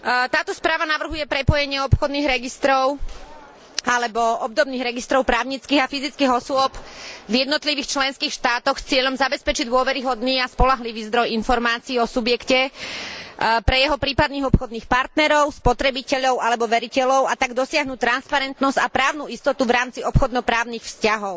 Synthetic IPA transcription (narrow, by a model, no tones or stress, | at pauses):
t̪aːt̪ɔspɾaːʋanaʋr̩ɦujɛpɾɛpɔjɛɲɪɛɔpxɔd̪niːɣɾɛɡist̪ɾɔʊ | alɛbɔɔb̚d̪ɔbniːɣɾɛɡist̪ɾɔʊpɾaːʊɲit͡skiːɣafizit͡skiːɦɔsʊɔpvjɛd̪nɔt̪liʋiːxt͡ʃlɛnskiːxʃt̪aːt̪ɔxst͡sɪɛʎɔmzabɛspɛt͡ʃiɟd̪ʊɔʋɛɾiɦɔd̪niːaspɔlaɦliʋiːzd̪ɾɔjinfɔɾmaːt͡siːɔsubjɛkcɛ | pɾɛjɛɦɔpɾiːpad̪niːɣɔpxɔd̪niːxpaɾt̪nɛɾɔʊspɔt̪ɾɛbicɛʎɔʊalɛbɔʋɛɾicɛʎɔʊat̪aɡd̪ɔsɪaɦnut̪ɾanspaɾɛnt̪nɔzcapɾaːʊnuist̪ɔt̪uvɾaːmt͡siɔpxɔd̪nɔpɾaːʊniːxfscaɦɔʊ